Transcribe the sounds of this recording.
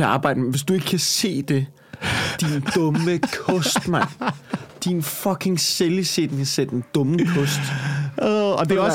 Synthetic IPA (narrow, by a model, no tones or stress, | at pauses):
eɑ̈ːb̥ɑ̈ɪ̰d̥əmʋe̝sd̥ue̝ɡ̥əkʰæse̝̰ːd̥e̝ | d̥ind̥ɔ̽məkʰɔ̽sd̥mɑn̰d̥infɒkʰe̝ŋselised̥n̩kʰæsḛ̥end̥ɔ̽m̩kʰɔsd̥ | ɒd̥eɒ